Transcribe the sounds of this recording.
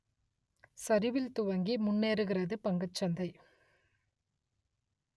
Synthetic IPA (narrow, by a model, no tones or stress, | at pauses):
sɐɾɪʋɪlt̪ʊʋɐŋɡimʊnːeːɾɯɣɪrɐðɯpɐŋɡɐt͡ʃːɐnd̪ɐɪ